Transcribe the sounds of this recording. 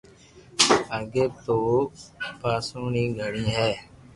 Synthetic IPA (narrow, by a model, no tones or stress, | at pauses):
əɡeːt̪oːpaːsũːnĩːɡʱəɽĩːɦɛː